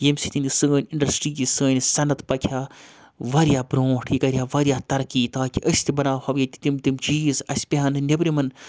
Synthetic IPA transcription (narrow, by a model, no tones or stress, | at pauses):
jemsit̪inisəːnʲiɳɖɐsʈɾiːkisəːnsɐnɐt̪pɐkʰjaː | ʋɐɾjaːbɾõːʈʰjikɐɾjaːʋɐɾijaːt̪ɐɾkiːt̪aːkiʔɐsʲt̪ʰibɐnaːhɐʋjɐt̪i̥t̪imt̪imt͡ʃiːzɐ̰sʲpʲiɦɐnɨnʲɐbɾimɐn